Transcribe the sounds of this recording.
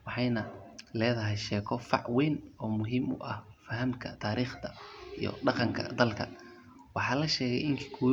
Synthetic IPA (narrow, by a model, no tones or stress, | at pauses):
wɑħɑjnɐlɛːðɐɦɛjʃɛːkʰɔfɑ̰ʕwɛːnɔːmʊɦiːmʊ̰ʔɐhfɐɦɐmkʰɐt̪ʰaːɾiːχt̪ʰɐijɔ̰ɖɑqɑŋkʰɐ̰d̪ɐlkʰɐ | wɑħɑːlɐʃɛːɣɛ̰jɪŋkʰi̥ːkʰʊ